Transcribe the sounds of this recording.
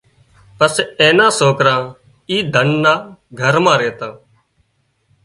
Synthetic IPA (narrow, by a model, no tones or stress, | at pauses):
pəseːnãːsoːkɾãː | iːd̪ʱənːãːɡʱəɾmãːɾeːt̪ãː